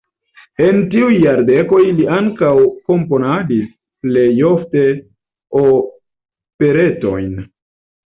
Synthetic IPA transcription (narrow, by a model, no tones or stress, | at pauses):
e̞ntiujːaɾde̞ko̞jliaŋkawko̞mpo̞nadis | ple̞jo̞fte̞ | o | pe̞ɾe̞to̞̰jn